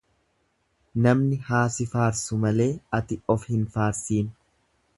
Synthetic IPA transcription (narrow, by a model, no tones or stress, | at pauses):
nɐmnɪhaːsɪfaːɾsʊmɐle̞ːɐt̪ɪɔfhɪnfaːɾsiːn